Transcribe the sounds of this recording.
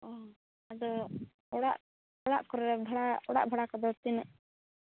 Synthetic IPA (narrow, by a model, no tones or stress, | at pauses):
ɔ | ad̪ɔ | ɔɽa̰ʔ | ɔɽa̰ʔkɔɾɾɛbʱɔɽaɔɽa̰ʔbʱɔɽakɔbɔlt̪inəʔ